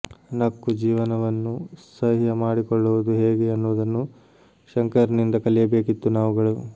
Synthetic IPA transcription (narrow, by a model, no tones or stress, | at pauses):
nɐkːud͡ʒiːʋɐnɐʋɐnːusɐɦijɐmaːɽikɔɭːuʋud̪uɦe̞ːɡeɐnːuʋud̪ɐnːu | ʃɐŋkɐɾnind̪ɐkɐlijɐbe̞ːkit̪ːunaːʋuɡɐɭu